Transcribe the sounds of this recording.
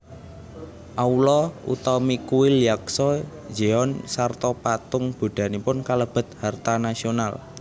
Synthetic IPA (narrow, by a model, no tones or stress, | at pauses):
ʔaulɔṵt̪ɔmikuwilijaksɔ | d͡ʒeɔnsart̪ɔpat̪ʊŋb̥o̤ɖ̪̥a̤nipʊnkaləb̥ə̤t̪̚hart̪anasional